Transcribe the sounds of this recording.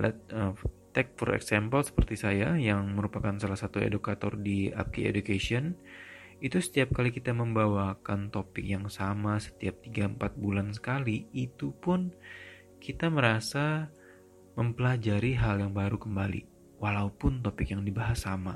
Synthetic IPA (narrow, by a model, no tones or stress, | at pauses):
la̰ət̪ɛk̚fɔɾɛ̰ksampəlsə̥pərt̪isajajaŋməɾupakansalahsat̪uḛdukat̪ɔ̰rdia̰p̚kiḛdukesiɔn | it̪usə̥t̪iap̚kalikit̪aməmbawakant̪opɪk̚jaŋsamasə̥t̪iap̚t̪iɡaəmpat̪̚bulansə̥kaliːt̪upʊn | kit̪aməɾasa | məmpəlad͡ʒaɾiɦaljaŋbaɾukəmbalḭ | walaupʊnt̪opɪkjaŋdibaɦasama